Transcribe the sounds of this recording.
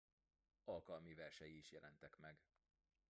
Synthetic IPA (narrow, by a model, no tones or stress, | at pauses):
ɒlkɒlmivɛrʃɛjiːʃjɛlʔɛnt̪ɛkmɛɡ